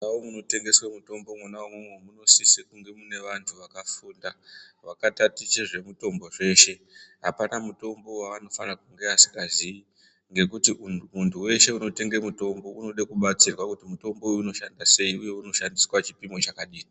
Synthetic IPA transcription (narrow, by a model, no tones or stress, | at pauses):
nawomuno̞te̞ŋɡe̞swamuto̞mbo̞mwonaumwemwemuno̞sisikuŋɡe̞mune̞ʋantʰuʋakafuːnda | ʋakatatit͡ʃeʐe̞muto̞mbo̞ʐe̞ʃe̞ | ɦapanamuto̞mbo̞waano̞fanakuŋɡeasi̥kazii | ŋɡe̞kutimuntʰuwe̞ʃe̞uno̞te̞ŋɡemuto̞mbo̞uno̞ɗekuɓat͡sirwakutimuto̞mbo̞ujuːno̞ʃandase̞iuje̞uno̞ʃandiswat͡ʃi̥pimo̞t͡ʃakaɗiːri